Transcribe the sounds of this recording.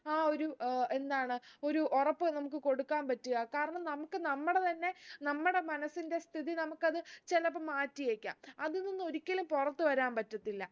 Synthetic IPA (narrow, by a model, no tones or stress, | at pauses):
aːo̞ɾue̞nd̪aːɳɨo̞ɾuʔorɐpːɨnɐmuk̬ːɨko̞ɽukːaːnpɐtːuɣɐkaːɾɐɳɐmnɐmukːɨnɐmːuɽe̞t̪ɐnːe̞nɐmːuɽe̞mɐnɐsːinde̞st̪ʰiðinɐmukːɐðɨt͡ɕelɐpːɐmaːtːijeːkʲːa̰ːmɐðɨninːo̞ɾikʲːɐlumpurɐt̪ːɨʋɐɾaːmpɐtːɐt̪ːilːɐ